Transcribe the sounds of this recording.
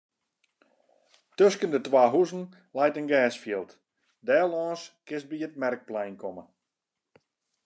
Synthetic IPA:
tøskəndətwaːɦuzn̩ | lɛjtənɡɛːsfjiəlˠt | dɛːlɔːnskɪs̚biət̚mɛrk̚plɛjnkʰɔmə

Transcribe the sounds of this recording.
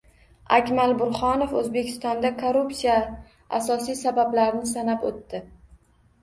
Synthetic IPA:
akʲmalbʊɾχɒnofɵzbe̞kʲʰɪ̥st̪ɒnd̪akʰoɾupsija | a̰sɒsijsabablaɾnɪsanapot̪ːɪ

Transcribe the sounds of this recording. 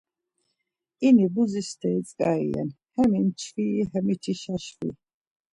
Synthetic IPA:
inibuzist̪ʰɛit͡sʼkʼaḭɛ̰n | hɛmint͡ʃʰfihɛmit̪ʰiʃaʃwḭ

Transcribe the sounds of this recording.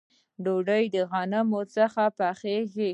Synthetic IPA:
ɖoɖəjd̪əɣanamot͡səxapaxeke

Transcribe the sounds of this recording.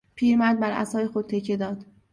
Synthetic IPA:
pʰiːɾmæɾd̪̚bæɾæ̰sɒːjexod̪̚t̪ʰe̞cʰːe̞d̪ɒːd̪̥

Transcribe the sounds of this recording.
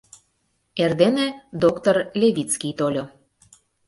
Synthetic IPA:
erd̪enĕd̪okt̪orlʲeβʲit̪t͡skʲijt̪olʲo

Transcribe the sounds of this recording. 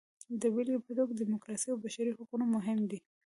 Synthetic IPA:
d̪əwilipət̪okd̪imʊkɾɑsiawbaʃaɾihaqunomʊɦɪmd̪i

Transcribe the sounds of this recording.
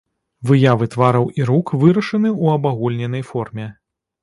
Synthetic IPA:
vɨjavɨt̪vaɾɐwʔiɾukvɨɾɐʂɐnɨuɐbaɣulʲnʲɛnɐjfɔrmʲɛ

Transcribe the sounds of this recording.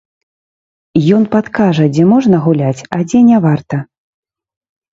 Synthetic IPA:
jɔn̪pat̪kaʐɐd͡zʲɛmɔʐnɐɣulʲat͡sʲɐd͡zʲɛnʲɛvart̪ɐ

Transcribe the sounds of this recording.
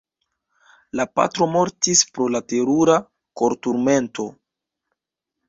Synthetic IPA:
lapa̰tɾo̞mo̞ɾtispɾo̞late̞ɾuɾa | ko̞ɾtuɾme̞nto̞

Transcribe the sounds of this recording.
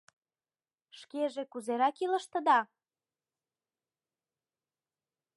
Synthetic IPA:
ʃkeʒekuzeɾɑkilə̆ʃt̪ə̆d̪ɑ

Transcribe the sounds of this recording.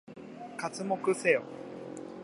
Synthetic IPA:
kat͡sɨmo̞kɯ̟seo̰

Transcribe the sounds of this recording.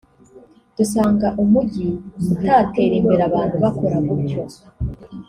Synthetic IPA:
d̥usaːŋɡaʔumuɟiutʰaːte̞ːɾimbeɾaβaːnhuβako̞ɾamubɟo

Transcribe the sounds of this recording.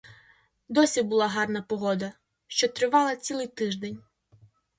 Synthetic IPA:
d̪ɔsʲibʊlˠɑɦɑrnɐpɔɦɔd̪ɐ | ʃt͡ʃɔt̪ɾɪʋɑlˠɐt͡sʲilˠɪjt̪ɪʒd̪enʲ

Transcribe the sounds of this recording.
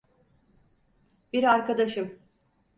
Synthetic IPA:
biɾaɾkad̪aʃɯm

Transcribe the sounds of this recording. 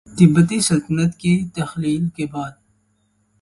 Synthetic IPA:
t̪ɪbɐt̪isɐlt̪ənɐt̪kit̪ɐxliːlkebɑːd̪̚

